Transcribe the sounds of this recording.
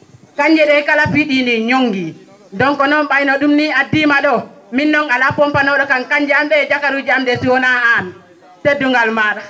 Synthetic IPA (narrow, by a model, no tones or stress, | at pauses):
kaɲd͡ʒɛɗɛkalafiɗiniɲoŋɡi | dɔŋkɔnɔnɓajnɔɗumniadimaɗɔ | minːɔŋalapɔmpanɔɗɔkankaɲd͡ʒɛamɓɛd͡ʒakaɾud͡ʒamdɛsiwɔnaːn | teduŋɡalmaɾa